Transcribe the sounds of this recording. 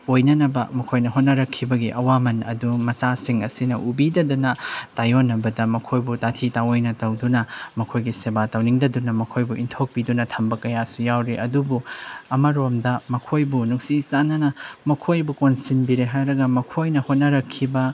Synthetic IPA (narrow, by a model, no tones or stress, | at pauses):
ojnɐnɐbɐ̰mɐkʰojnɐɦot̚nɐɾɐkʰːibɐɡiʔɐwamɐnɐ̰dumɐt͡ʃasiŋɐsinɐʔubidɐdunɐtajonːɐbɐdɐmɐkʰojbutatʰitaojnɐtɐwdunɐmɐkʰojɡisebatawniŋdɐdunɐmɐkʰojbuʔintʰok̚bidunɐtʰɐmbɐkɐjasujawɾeʔɐ̰dubuɐmɐɾomdɐmɐkʰojbunuksisanɐnɐmɐkʰojbukonsinbiɾeɦajɾɐɡɐmɐkʰojnɐhot̚nɐɾɐkʰːibɐ